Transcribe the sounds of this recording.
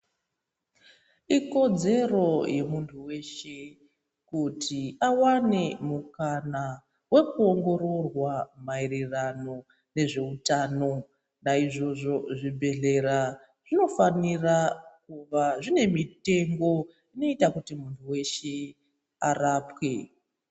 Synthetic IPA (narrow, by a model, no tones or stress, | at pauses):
iko̞d͡ze̞ro̞je̞muntʰuwe̞ʃe̞ | kutʰiawanemukana | we̞kuo̞ŋɡo̞ɾo̞rwamairirano̞ | ne̞ʐe̞utaːno̞ | naiʐo̞ʐo̞ʐibʱe̞ɮe̞ɾa | ʐ̥ino̞fanirakuʋaʐine̞mite̞ŋɡo̞ | ino̞itakutimuntʰuwe̞ʃe̞ | a̰raːpwe̞